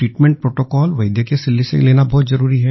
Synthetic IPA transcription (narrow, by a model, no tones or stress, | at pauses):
ʈɾiːʈmɛ̃ɳʈ̚pɾoːʈokɔːlʋɐɪd̪jekesɪlːisḛleːnabɔːt̪zɐɾuːɾiɦɛ